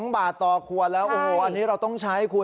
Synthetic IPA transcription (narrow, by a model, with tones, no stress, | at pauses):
ŋbaː˨˩t̪ːɔː˨˩kʰu˨˩ət̪̚lɛː˦˥wʔoː˨˧˩ho˧˩ʔa˧nːiː˦˥ɾa˧wt̪ɔ˥˩ŋt͡ɕʰa˦˥jkʰu˧